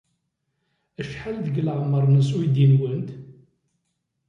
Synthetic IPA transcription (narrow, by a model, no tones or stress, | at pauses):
əʃħald̪əɡləʁməɾˤnəswid̪inwənt̪